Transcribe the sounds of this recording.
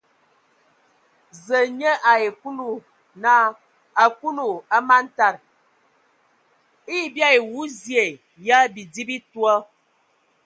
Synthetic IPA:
zə˨ɲə˦ʔa˨e˨ku˦lu˨ | na˦ | a˨ku˦lu˨a˦ma˦n˦ta˦˨ɾ | i˦˨bja˦e˨wu˦zje˨ | ja˦bi˨di˦bi˦twɔ˦

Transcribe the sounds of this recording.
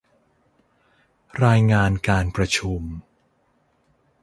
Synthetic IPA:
ɾaː˧jŋaː˧nkaː˧npɾa˧t͡ɕʰu˧m

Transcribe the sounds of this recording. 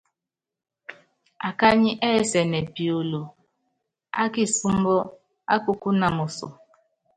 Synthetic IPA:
a˨ka˦ɲɪ˦ʔe˦˨se˨ne˨pi˨o˨lo˨ | a˦ki˨su˦m̩˦bo˦ | a̰˦ku˦ku˦na˨mʊ˨sʊ̰˨

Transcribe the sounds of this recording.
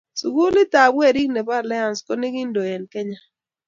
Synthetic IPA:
su˨ɡu˦li˦ta˨bwɛ˦˨ɾi˦kne˨ba˦ɾla˦a˨nsko˦nɪ˦ɡɪ˦ndo˨e˨nkɛ˦ɲa˦

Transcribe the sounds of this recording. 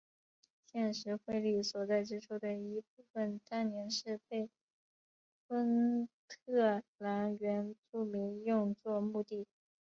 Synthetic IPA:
ɕjɛ˥˩nʂɻ̩˧˥xwe˥˧ɪli˥˩swɔ˨˩t͡sa˥˩ɪʈ͡ʂɻ̩˥ʈ͡ʂʰu˥d̪ə˨i˧˥p̚u˥˩fə˨˩nt̪a˥˩nnjɛ˧˥nʂɻ̩˥˧pe˥˩ɪ | fə˥nt̪ʰɤ˥˩la˧˥nɥɛ˧˥nʈ͡ʂu˥˩mi˧˥ŋjʊ˥˧ŋt͡swɔ˥˧mu˥˧t̪i˥˩

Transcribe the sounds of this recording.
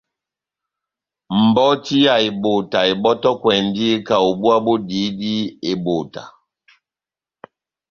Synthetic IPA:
m̩˨bɔ˦ti˦ja˨i˨bo˨ta˨i˨bɔ˦tɔ˦kwɛ˨n˦di˦ka˨o˨bu˦a˦bo˦di˨˦di˦e˨bo˨ta̰˨

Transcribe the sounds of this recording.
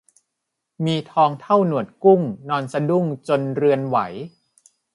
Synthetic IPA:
miː˧t̪ʰɔː˧ŋt̪ʰa˥˩wnu˨˩ət̪̚ku˥˩ŋnɔː˧nsa˧du˥˩ŋt͡ɕo˧nɾɯ˧ənwa̰˩˦j

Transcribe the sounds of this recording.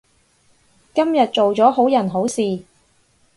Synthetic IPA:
kɐ˥mjɐ˨t̚t͡ʃt͡so˨wt͡sɔː˨˥ɦo˨˥wjɐ˨˩nɦo˨˥wsiː˨

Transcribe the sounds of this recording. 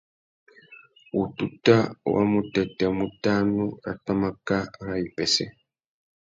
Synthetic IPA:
u˨tu˦ta˦wʔa̰˦mu˦te˨te˨mu˦ta˦nu˦ɾa̰˨ta˦ma˦ka˦ɾa˦i˨pe˨se˨

